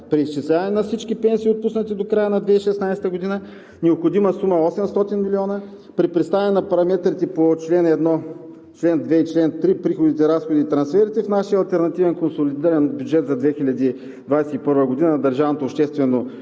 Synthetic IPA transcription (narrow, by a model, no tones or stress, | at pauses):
pɾiːst͡ʃislʲavɐnɛnɐfsit͡ʃkipɛnsiːot̪̚pusnət̪id̪okɾajənɐd̪vɛiʃɛsnajsɛt̪əɡod̪inə | nɛopxod̪iməsuməɔsɛmst̪ɔt̪inmilʲiɔnə | pɾipɾist̪avɐnɛnɐpɐɾɐmɛt̪ɾit̪ɛpot͡ʃlɛnɛd̪nɔ | t͡ʃlɛnd̪vɛit͡ʃlɛnt̪ɾipɾixod̪it̪ɛɾasxod̪iːt̪ɾɐnsfɛɾit̪ɛfnaʃiəɐlˠt̪ɛɾnɐt̪ivɛnkonsolid̪iɾɐnbjud͡ʒɛt̪zɐd̪vɛxilʲɐd̪i | d̪vajsɛipɤɾvəɡod̪inənd̪ɐɾʒavnot̪oːpʃt̪ɛst̪vɛno